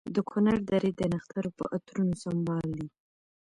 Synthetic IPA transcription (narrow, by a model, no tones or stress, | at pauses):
d̪əkʰunaɾd̪aɾed̪ənaxt̪aɾopə̰ʔat̪ɾunosambɑld̪i